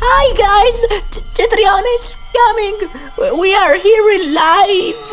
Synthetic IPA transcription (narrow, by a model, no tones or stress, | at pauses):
haɪɡaɪzt͡ʃɪθɾiɑnɪʃ | kʰʌmɪ̃ŋ | wiə˞hiɹɪ̃nlaɪf